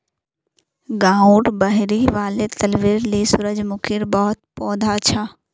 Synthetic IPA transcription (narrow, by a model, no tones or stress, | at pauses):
ɡãːũːʈbɐɦɾiʋaːlet̪ɐlʋɪɾlesʊɾəd͡ʒmʊkʰɪɾbɔɦʊt̪̚pɔːd̪ʱaʃʰaː